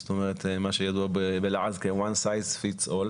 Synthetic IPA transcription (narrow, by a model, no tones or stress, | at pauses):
stomeʁet̪maʃejad̪uabebelaʕazkewansajzfitsol